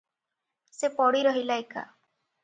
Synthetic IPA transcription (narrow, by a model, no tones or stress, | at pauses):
sepɔɽiɾɔɦilaeka̰